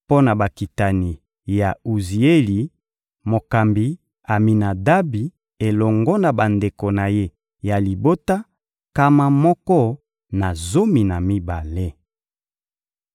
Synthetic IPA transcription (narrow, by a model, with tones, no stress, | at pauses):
po˦na˨ba˨ki˨ta˨ni˨ | ja˨u˨zi˨e˦li˨ | mo˨ka˨mbi˨ | a˨mi˨na˨da˦bi˨ | e˨lɔ˨ŋɡɔ˦na˨ba˨nde˨ko˨na˨je˦ | ja˨li˨bo˦ta˦ | ka˦ma˦mɔ˦kɔ˦ | na˨zo˦mi˨na˨mi˦ba˨le˦